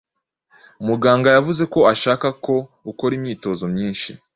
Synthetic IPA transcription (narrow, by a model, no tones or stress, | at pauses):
muɡaːŋɡajavuze̞ko̞aʃaːkako̞ | uko̞ɾimɲiːto̞zo̞mɲiːnʃi